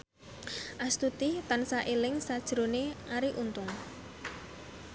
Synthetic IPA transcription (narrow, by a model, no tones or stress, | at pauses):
ʔast̪ut̪it̪ansaʔelɪŋsad̥ʒ̥ɾoneʔaɾiʔunt̪ʊŋ